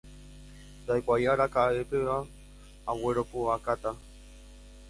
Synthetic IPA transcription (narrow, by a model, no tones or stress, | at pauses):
d̪ajkʷajaɾakaepeʋa | aweɾokuakat̪a